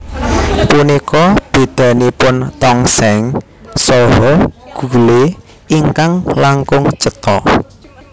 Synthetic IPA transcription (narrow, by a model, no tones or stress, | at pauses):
punikɔb̥e̤d̪̥ä̤nipʊnt̪ɔŋsɛŋ | sɔɦɔɡ̥ule | iŋkaŋlaŋkʊŋt͡ʃət̪ɔ